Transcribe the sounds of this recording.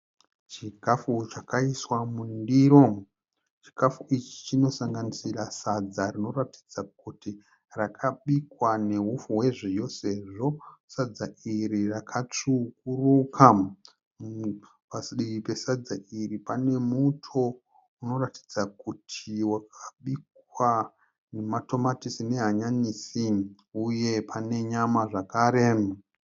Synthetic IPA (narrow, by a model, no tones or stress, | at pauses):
t͡ʃikafut͡ʃakaiswamundiɾo̞ | t͡ʃi̥kafuit͡ʃi̥t͡ʃino̞saŋɡanisirasad͡zarino̞rati̥d͡zak̚uti | rakʰaɓikwane̞ɦufuɦwe̞ʐejo̞se̞ʐo̞sad͡zaiɾirakʰat͡ʂukurukʰa | pasɗiipe̞sad͡zairipane̞mutʰo | uno̞rati̥d͡zakutʰiwakʰaɓik | wa | nemato̞matisine̞ɦaɲanisi | uje̞pʰane̞ɲamaʐakaːɾe̞